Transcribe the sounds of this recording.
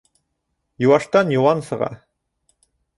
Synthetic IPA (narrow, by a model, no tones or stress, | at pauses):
juwɑʃt̪ɑnjuwɑnsɤ̆ʁɑ̰